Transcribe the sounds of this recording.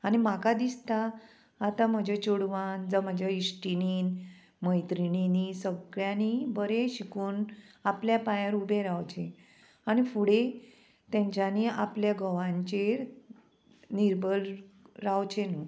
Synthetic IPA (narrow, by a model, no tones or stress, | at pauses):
aɽ̃im̤akad̪ist̪aː | t̪am̤əd͡ʑʱet͡ɕuɽʋand͡zəm̤ad͡ʑʱjaisʈiniːn | məjt̪ɾininisəɡɭjãnibəɾeɕikuːnapljapajaɾubeɾawt͡ɕe | añifuɽe | t̪ãɲt͡ɕjaniapljaɡʱəʋãɲt͡ɕe | niɾbʱəlɾawt͡ɕenu